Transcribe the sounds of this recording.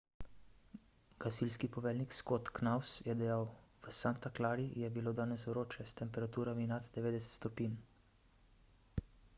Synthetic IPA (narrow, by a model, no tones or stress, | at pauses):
ɡ̥asilskipɔʋɛːlnikskot̪knawsjɛd̪ɛjawʋəsant̪aklaːɾijɛbiloːd̪aːnɛsʋɾoːt͡ʃɛst̪ɛmpɛɾat̪uːɾaminad̪d̪ɛʋeːd̪ɛsɛ̥t̪st̪ɔpin